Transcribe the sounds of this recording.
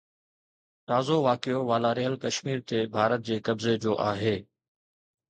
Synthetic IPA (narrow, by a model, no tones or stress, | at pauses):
t̪aːzoʋaːkijoʋaːlaːɾɪɦəlkɐʃmiːɾt̪ʰeːbʱaːɾət̪̚d͡ʑeːkɐbzed͡ʑoːʔaːɦeː